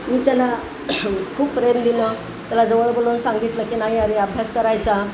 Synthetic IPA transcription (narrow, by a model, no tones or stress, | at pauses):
miːt̪jala | kʰuːppɾəjətd̪inə | t̪jalad͡zəʋəɭbolonsãŋɡit̪ləkinaɦiaɾeəbʱjaskəɾajt͡sa